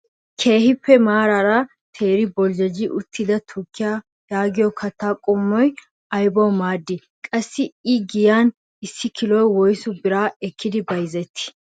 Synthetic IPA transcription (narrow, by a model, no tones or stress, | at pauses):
kʰeːhɪpːɛmaːɾaɾɐ | t̪ʰeːɾɪbɔld͡ʒɛd͡ʒɪʔʊt̪ːɪd̪ɐt̪ʰʊkʰːɪja | jaːɡɪjɔkʰɐt̪ːaːkʼʊmːɔj | ɐjbɔwmaːd̪ːɪ | kʼɐsːɪɪɡɪjaːn | ɪsːɪkɪlɔjwɔjsʊbɪɾaːɛkʰːɪd̪ɪbɐjzɛt̪ʰːɪ̥